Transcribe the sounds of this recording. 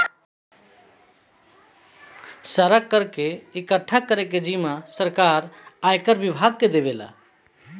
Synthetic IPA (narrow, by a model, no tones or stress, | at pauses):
səɾəkːəɾkeikəʈʰːakəɾeked͡ʒimasəɾkaɾajkəɾbibʱaɡ̚ked̪ebela̰